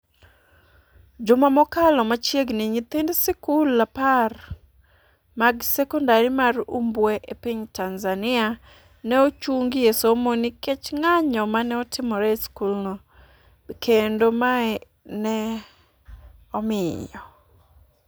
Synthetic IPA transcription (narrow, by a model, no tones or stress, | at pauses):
d͡ʒʊmamɔkalɔmat͡ʃjeɡnɪɲit̪ɪndsɪkulːapar | maɡsɛkɔndaɾimarumbwɛʔepiɲtanzanɪa | nɛot͡ʃuŋɡiesomoniket͡ʃŋaɲɔmanɛɔtɪmɔɾɛskulnɔ | kʰendomaɛ | nɛ | ɔmɪjɔ